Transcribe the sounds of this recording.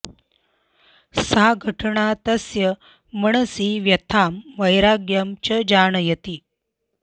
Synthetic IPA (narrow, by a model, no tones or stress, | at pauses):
saɡʱəʈɳat̪əsjəː | əɳəsiʋjət̪ʰamʋəjɾaɡjəmt͡ɕəd͡ʑaɳjet̪iː